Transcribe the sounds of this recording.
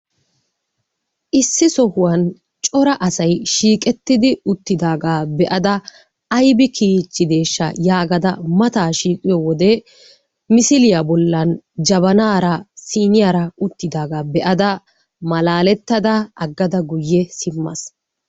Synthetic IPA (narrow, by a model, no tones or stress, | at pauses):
ʔɪsːɪsɔhʊwɐn | t͡ʃʼɔɾɐʔɐsɐjʃiːkʼɛt̪ːɪd̪ɪʊt̪ːɪd̪aːɡaːbɛʔɐd̪ɐ | ɐjbɪkʰiːt͡ʃʼːɪd̪e̞ːʃːɐ̰jaːɡɐd̪ɐmɐt̪aːʃiːkʼɪjɔwɔd̪ɛ | mɪsɪlɪjabɔlːɐnd͡ʒɐbɐnaːɾɐsiːnɪjaːɾɐʊt̪ːɪd̪aːɡaːbɛʔɐd̪ɐ | mɐlaːlɛt̪ːɐd̪ɐɐɡːɐd̪ɐɡʊjːɛsɪmːɐ̰s